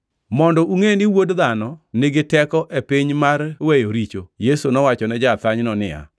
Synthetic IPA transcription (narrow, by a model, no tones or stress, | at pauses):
mɔndɔʔuŋenɪwodðanɔnɪɡɪtɛkɔʔepɪɲmarwejoɾit͡ʃojesunɔwat͡ʃɔnɛd͡ʒat̪aɲnɔnɪ̰a̰